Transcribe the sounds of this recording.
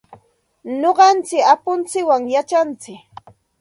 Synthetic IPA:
noɢɑnt͡sɪkapʊnt͡sɪwaŋjat͡ʃant͡sɪk

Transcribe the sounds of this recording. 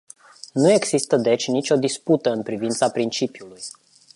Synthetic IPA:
nue̞ɡz̥ist̪əd̪e̞t͡ʃʲnit͡ʃʲo̞d̪isput̪əɨnpɾivint̪sapɾint͡ʃipiuluj

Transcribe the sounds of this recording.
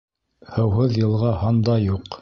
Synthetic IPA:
hɤ̆wɦɤðjɤ̆lˠʁɑhɑnd̪ɑjuq

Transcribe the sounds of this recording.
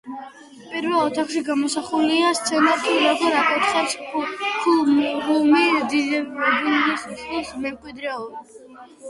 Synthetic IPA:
pʼiɾvɛlˠɔt̪ʰaχʃiɡamɔsaχuliast̪sʰɛnat̪ʰuɾɔɡɔɾakʼɛt̪saɾspʰublumid̪id̪buɡissismɛmkʼwid̪ɾɛɔɾa

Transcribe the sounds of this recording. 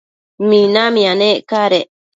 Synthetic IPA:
mĩnãmĩanẽʔkaɾeʔ

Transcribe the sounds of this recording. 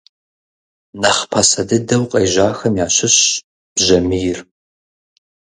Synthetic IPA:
nɐχpʰɐsɐdɨdɐwqʼɐjʒaːxɐmjaːɕɪɕ | b̥ʒɐmɨjɪr

